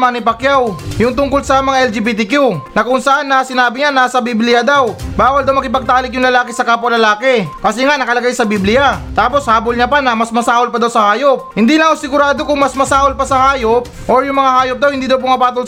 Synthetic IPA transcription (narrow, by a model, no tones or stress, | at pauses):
manɪpɐkjawjʊŋt̪ʊŋkolsɐmɐŋaʔɛld͡ʒibit̪̬ɪkjunɐkʊŋsɐʔanːɐsɪnaːbɪɲanasɐbiblɪjɐd̪awbaːwɐld̪awmɐkɪpɐɡ̚t̪aːlɪk̚jʊŋlɐlaːkɪsɐkaːp̬olɐlaːkɛkɐsɛŋaʔnɐkɐlɐɡajsɐbiblɪjat̪aːpo̞shaːbolɲɐpanɐmɐsmɐsaːholpɐd̪awsɐhaːjop̚hɪnd̪iːlɐŋosɪɡʊɾaːd̪o̞kʊŋmɐsmɐsaːholpɐsɐhaːjop̚ʔoɹjʊŋmɐŋahaːjop̚d̪ɐwhɪnd̪iːd̪ɐwp̬oŋɐpaːt̪ol